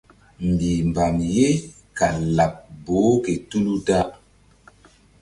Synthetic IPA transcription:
m̩˨bi˨m˨ba˨mje˦ | ka˨la˨p̚bo˨˦ke˨tu˦lu˦ta˦ʔ

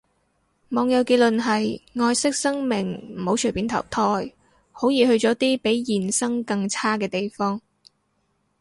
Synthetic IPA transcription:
mɔː˨˧ŋjɐ˨˧wkeː˧lɵ˨nɦɐ˨jŋɔː˧jsɪ˥k̚sɐ˥ŋmɪ˨˩ŋm̩˨˩ho˨˥wt͡ʃʰɵ˨˩pi˨˥nt̪ʰɐ̰˨˩wt̪ʰɔː˧˥j | ho˨˥wjiː˨hɵ˧ɥt͡sɔː˨˥t̪iː˥pe˨˥jjiː˨˩nsɐ˥ŋkɐ˧ŋt͡sʰaː˥kɛː˧t̪e˨jfɔː˥ŋ

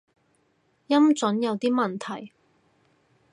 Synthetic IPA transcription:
jɐ˥mt͡sɵ˨˥njɐ˨˧wt̪iː˥mɐ˨nt̪ʰɐ˨˩j

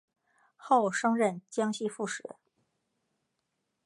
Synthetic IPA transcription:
xo˥˩ʊʂɤ˥ŋɻə˥˩nt͡ɕjɑ˥ŋɕi˥˧fu˥˩ʂɻ̩˨˩˥

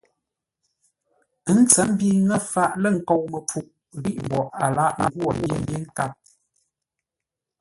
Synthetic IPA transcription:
ə˦n̩˦t͡sə˨˦m˦bi˦ŋə˦fa˦˨ʔlə˦˨ŋ̩˨kɔ˨wmə˨p͡fu˨ʔ | ɣi˦ʔbɔ˨ʔa˨la˦ʔŋ̩˦ɡwɔ˨je˦m˦bje˦ŋ̩˦ka˦˨p̚

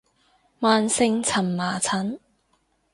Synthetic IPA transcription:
maː˨nsɪ˧ŋt͡sʰɐ˨˩mmaː˨˩t͡sʰɐ˨˥n

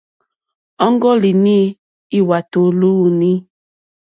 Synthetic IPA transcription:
ɔ˦ŋ˦ɡɔ˦li˨ni˦ | i˦wa˨to˨lu˦˨ni˦

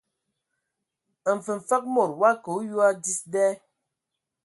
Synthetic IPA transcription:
ə˨m̩˨fə˨ɱ˨fa˦k̚mɔ˨ɾwa˦ko˨˦ju˦a˦di˦sdɛ˦

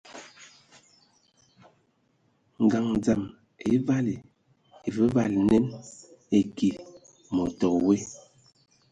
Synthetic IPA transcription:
ŋ˨ɡa˨ŋd͡za˨m | e˨˦va˦li˨ | e˨və˦va˦˨lnɛ˦ne˨ki˨ | mɔ˨tɔ˨kwe˦

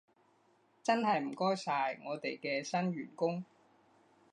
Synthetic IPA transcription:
t͡sɐ˥nɦɐ˨jm̩˨˩kɔː˥jsaː˨jŋɔː˨˧t̪e˨jkɛː˧sɐ˥nɥyː˨˩nkʊ˥ŋ

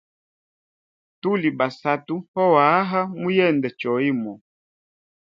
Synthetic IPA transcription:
tu˦li˨ba˨sa˨tu˦hɔ˦wa˨˦ɦa˦mu˦jɛ˦˨ndɛ˨t͡ʃɔ˨˦i˦mɔ˨

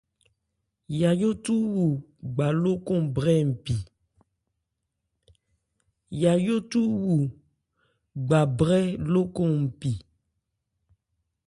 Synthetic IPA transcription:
ja˨jo˦tu˦wu˨ | ɡ͡ba˨lo˦kɔ̃˦bɾɛ˦m̩˨pi˨ | ja˨jo˦t̪u˦wu˨ | ɡ͡ba˨bɾɛ˦lo˦kɔ̃˦˨m̩˨pi˨

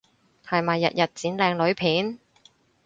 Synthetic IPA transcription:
hɐ˨jmaː˨˩jːɐ̰˨t̚jɐ˨t̚t͡siː˨˥nlɛː˨˧ŋlɵ˨˥ɥpʰiː˨˥n

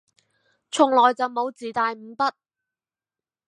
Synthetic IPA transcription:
t͡sʰʊ˨ŋlɔː˨˩jt͡sɐ˨wmo˨˧wt͡siː˨˩t̪aː˨jm̩˨˧pɐ˥t̚

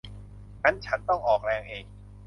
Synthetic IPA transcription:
ka˦˥nt͡ɕʰa˦˥nt̪ɔ˥˩ŋʔɔː˨˩k̚ɾɛː˧ŋʔeː˧ŋ

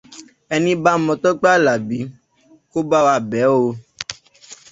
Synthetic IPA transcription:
ɛ˧nĩ˦ba˦mɔ̃˧t̪ɔ˦k͡pa˦˨la˨bi˨˦ | ko˦ba˦wa˧bɛ˨˦wo˧

